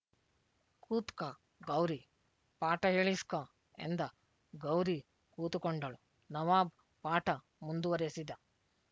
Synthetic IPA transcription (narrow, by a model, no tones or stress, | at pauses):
kuːt̪kɐ | ɡɐwɾi | paːʈɐɦeːɭiskɐ | ḛnd̪ɐ | ɡɐwɾi | kuːt̪ukoɳɖɐɭu | nɐʋaːb | paːʈɐ | mund̪uʋɐɾesid̪ɐ